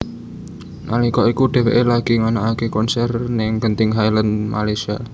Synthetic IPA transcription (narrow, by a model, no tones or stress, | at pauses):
na̰likɔikud̥ɛ̤wḛʔelaɡ̥i̤ŋanaʔakekɔnsɛrnɪŋɡ̥ənt̪ɪŋɦajlənma̰lajsia